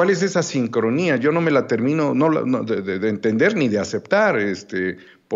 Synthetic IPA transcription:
wales̬e̞sasiŋkɾo̞niaʝo̞no̞me̞lat̪e̞ɾmĩno̞no̞l̰noðeðeðeːnt̪e̞nd̪e̞ɾniðease̞pt̪aɾest̪e | p

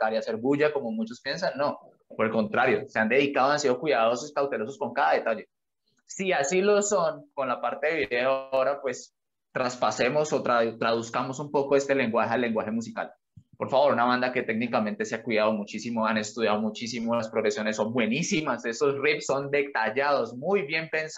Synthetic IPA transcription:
t̪aɾiase̞ɾbuʝako̞momut͡ʃo̞spje̞nsanːo̞ | poɾelko̞nt̪ɾaɾjo̞se̞and̪e̞ðikaðoansiðo̞kwiðaðososkawt̪e̞lo̞sosko̞ŋkaðaðe̞t̪ad͡ʒe̞ | siasilo̞so̞ŋko̞nlapaɾt̪e̞ðeβiðeoao̞ɾapwe̞s | t̪ɾaspase̞mo̞so̞t̪ɾat̪ɾaðuskamo̞sumpo̞ko̞e̞st̪e̞le̞ŋɡwaxealːe̞ŋɡwaxe̞mus̬ika̰l | po̞ɾfaβo̞ɾunaβand̪ake̞t̪e̞ɡnikament̪e̞seakwiðaðo̞mut͡ʃisimoane̞st̪uðjaðomut͡ʃisimolaspɾo̞ɣɾe̞sjo̞ne̞sːo̞mbwe̞nisimase̞so̞sripsːo̞nd̪e̞t̪aʝaðo̞smujbje̞mpe̞ns

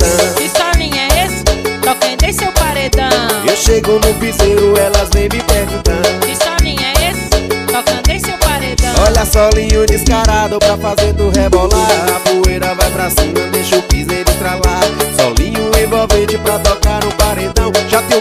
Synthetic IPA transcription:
ɐ̃isɔnĩjɛest̪ɔkɐ̃d̪ẽj̃sewpaɾed̪ɐ̃ewʃeɡonʊvizeɾʊɛlɐznẽj̃mɪpɛɾd͡ʒɪt̪ɐ̃ʊisɔnĩɲɛest̪ɔkɐ̃d̪ẽj̃sewpaɾed̪ɐ̃wɔʎɐsɔlĩɲʊ̃d̪iskaɾad̪ʊpɾɐfazeɾd̪ʊɦebɔlaɐbuejɾɐvajpɾasĩmɐd̪ejʃpizejɾʊt̪ɾalasɔ̰lĩɲʊẽvowvẽt͡ʃɪpɾɐt̪ɔkaɾʊ̃paɾed̪ɐ̃w̃ʒat̪ẽ

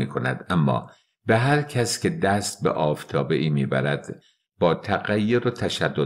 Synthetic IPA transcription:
iːkʰo̞næd̪ʔæmːɒ̰ː | beɦæɾcʰæscʲed̪æst̪̚bḛʔɒːft̪ʰɒːbe̞ʔiːmiːbæ̰ɾæd̪̥ | b̥ɒːt̪ʰæɣæjːoɾot̪ʰæʃæd̪ːo

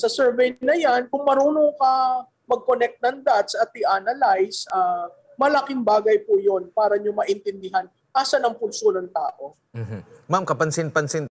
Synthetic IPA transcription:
sɐsɛɹvɛjnɐjankʊŋmɐɾuːnoŋkɐ | mɐɡ̚konɛk̚t̪̚nɐŋd̪at̪̚sɐt̪̚ːiʔanɐlajsʔa | mɐlɐkɪŋbaːɡɐjpʊjo̞npaːɾɐɲomɐʔɪnt̪ɪnd̪ɪɦan | ʔaːsɐnɐŋpʊnsonɐŋt̪a̰ːʔo̞ | m̩ɦ̩mamkɐpɐnsɪnpɐnsɪn

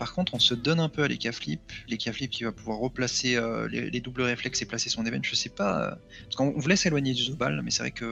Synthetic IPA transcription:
paʁkɔ̃t̪χɔ̃səd̪ɔnɛ̃pøalḛkʲafliplekʲaflip̚kʲivapuvwaʁːəplaseølḛled̪ubləʁeflɛkseplasesɔ̃d̪ebɛnʒ̥əsɛpaø̰ | paskɔ̃ɔ̃vulɛselwaɲed̪yzoba̰lmɛsɛvʁɛ̰kə

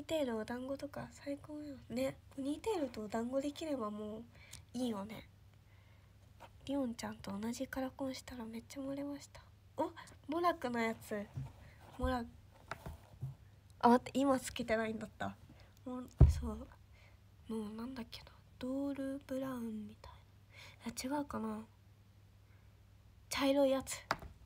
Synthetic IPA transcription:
ɲiːt̪e̞ːɾɯ̟od̪ãŋɡo̞t̪o̞kasaikoːjone̞oɲʲiːt̪e̞ːɾɯ̟t̪o̞ːd̪ãŋɡo̞d̪e̞kʲiɾe̞bamoːiːjone̞̰ | dʲiõ̞ɲt͡ɕãnt̪o̞ːnaʑikaɾakõɰ̃ɕi̥t̪aɾame̞tt͡ɕːamoɾe̞maɕi̥t̪ḁ | omoɾakɯ̟nojat͡sɨ | moɾak | ʔamat̪ːeʔimat͡sɨ̥ke̞t̪e̞naĩnd̪at̪ːa | mosoː | moːnãnd̪akːe̞nod̪̥oːɾɯ̟bɯ̟ɾaɯ̟̃mːʲit̪ḁina | jat͡ɕiɡaɯ̟kana | t͡ɕaiɾo̞ijat͡sɨ̥

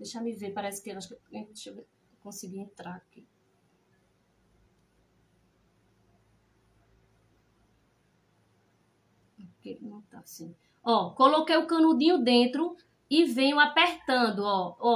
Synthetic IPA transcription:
d̪ejʃamɪveɾpaɾɛɛsɪ̥keaʃkeẽʃe | kõsiɡiẽt̪ɾaɾaki | okenɐ̃w̃t̪a̰sĩ | ɔkolokejʊkɐ̃nũd̪ĩɲʊd̪ẽt̪ɾʊ | ɪvẽɲʊapeɾt̪ɐ̃d̪ʊɔɔ

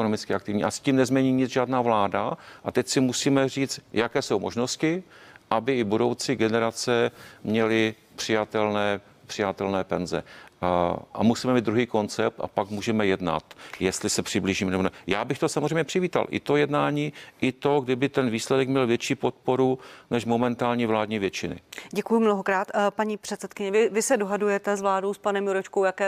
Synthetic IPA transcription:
ɛkonomɪt͡skɪakt̪ɪvɲiːʔasciːmnɛzmɲɛɲiːɲɪt͡sʒaːdnaːvlaːdaʔat̪ɛcsɪmusiːmɛriːt͡st̪jakɛːso̞wmo̞ʒno̞scɪʔabɪɪbudo̞wt͡sɪɡɛnɛɾat͡sɛmɲɛlɪ | pr̝̥ɪjat̪ɛlnɛː | pr̝̥ɪjat̪ɛlnɛːpɛnzɛ̰ | ʔa̰musiːmɛmiːd̪ɾuɦiːko̞nt͡sɛp̚t̪a̰pakmuːʒɛmɛjɛdna̰t̪jɛst̪lɪsɛpr̝̥ɪbliːʒiːmnɛbonɛjaːbɪxt̪o̞samozrejmɲɛpr̥ɪviːt̪a̰lʔɪ̰t̪o̞jɛdnaːɲiːʔɪt̪o̞ɡdɪbɪt̪ɛnviːslɛdɛkmɲɛlvjɛt͡ʃiːpo̞t̪̚po̞ɾunɛʃmo̞mɛnt̪aːlɲiːvlaːdɲiːvjɛt͡ʃɪnɪ̰ɟɛkujʊmnoɦokɾaːt̪paɲiːpr̥ɛt̪sɛt̪kɪɲɛvɪvɪsɛdoɦadujɛt̪ɛzvlaːdowspanɛmjuɾɛt͡ʃkowjakɛː

